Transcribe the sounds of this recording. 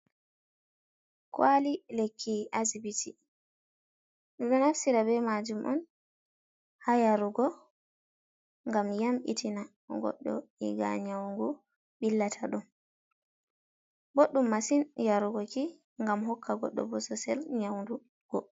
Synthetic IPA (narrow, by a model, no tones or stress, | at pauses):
kwalilekʰːiʔazibiti | ɗɛɗɔnafsiɾabɛmad͡ʒumʔɔ̰n | hajaɾuɡɔ | ŋɡamjamʔḭtʰina | ɡɔ̰ɗːɔ̰iɡa̰ɲawŋɡu | ɓilːatʰaɗun | boɗːumːasinjaɾuɡɔki | ŋɡamhɔkːaɡɔ̰ɗːɔ̰bɔsɔsɛ̰lɲawndu | ɡ̥ɔ